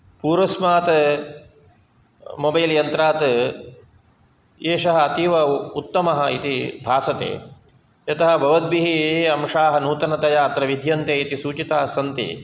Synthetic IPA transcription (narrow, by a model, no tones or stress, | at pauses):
puːɾɐsmaːt̪ | mobɐjljɐnt̪ɾaːt̪ | eːʃɐɦɐːt̪iʋɐut̪ːɐmɐɦɐit̪ibʱaːsɐt̪ḛː | jɐt̪ɐɦɐ̆bʱɐʋɐd̪̚biɦiɐmʂaːɦɐnuːt̪ɐnɐt̪ɐjaːt̪ɾɐʋid̪ʱjɐnt̪eːit̪isuːt͡ʃit̪aːɐsɐnt̪ḭː